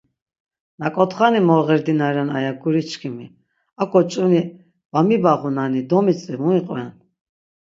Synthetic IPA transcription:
nakʼɔt̪χanimɔʁɛɾd̪inaɾana̰jakʰuɾit͡ʃʰkʰimi | akʰʼɔt͡ʃʼuni | bamibaʁunanid̪ɔmit͡sʼlimuiqʼwɛn

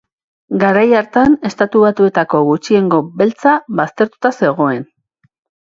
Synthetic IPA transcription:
ɡaɾajaɾt̪ane̞st̪at̪uβat̪ue̞t̪ako̞ɣut͡ʃie̞ŋɡo̞be̞lt͡saβast̪e̞ɾt̪u̥t̪ase̞ɣ̞o̞e̞n

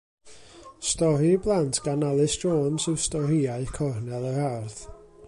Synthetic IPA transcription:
stɔɾiblˠantʰɡ̥analˠɨsdroːnsɨwstɔɾiaɨkʰɔrnɛlˠəɾarθ

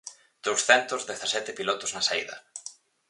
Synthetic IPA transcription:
d̪̥owsθɛnt̪ʊzðeθasɛt̪ɪpilɔt̪ʊznɐsaiðɐ̰

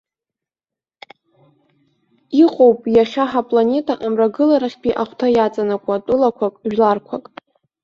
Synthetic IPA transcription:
iqʼowpʼjaχʲaħapʼlane̞tʼaʔamraɡɨlaɾaχʲpiʔaχʷtʰajat͡sʼanakʷʼatʼʊlakʷʰakʼʒᶣlarkʷʰakʼ

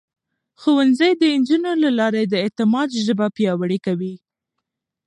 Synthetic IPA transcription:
xowanzəjd̪əɪnd͡ʒunolalɑɾed̪əet̪ɪmɑd̪ʒəbapjɑwaɽikawi

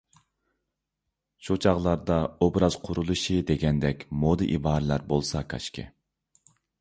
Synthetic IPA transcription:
ʃut͡ʃʰɑʁlˠɑɾd̪ɑobɾɑz̥qʰʊɾulˠuʃɨd̪eɡʲɛnd̪ɛkʲmod̪ɨʔibɑːɾɨlæɾbolˠsɑkʰɑ̰ʃkʰʲɪ̰

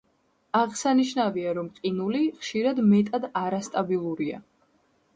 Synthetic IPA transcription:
aʁsaniʃnaviaɾɔmqʼinuliχʃiɾad̪mɛt̪ʼad̪aɾast̪ʼabilˠuɾia̰

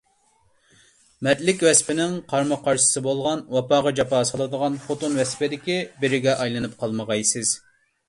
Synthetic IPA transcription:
mɛt̪lɪkʲwɛspɪnɪŋqʰɑɾmɑqʰɑɾʃɨ̥sɨbolˠʁɑnwɑpɑːʁɑd͡ʒɑpɑːsɑlˠɨd̪əʁɑnχot̪unwɛsɪ̥pɪd̪ɪkʲibɪɾɪɡʲɛʔɑjlˠɨnɨp̚qʰɑlˠməʁɑjsɨz̥

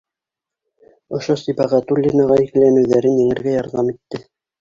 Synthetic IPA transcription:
ŏʃosibɑʁæt̪ulʲːinɑʁɑiklænɘ̆wðæɾɘnjɘ̆ŋɘ̆ɾɡæjɑɾðɑmit̪ːɘ

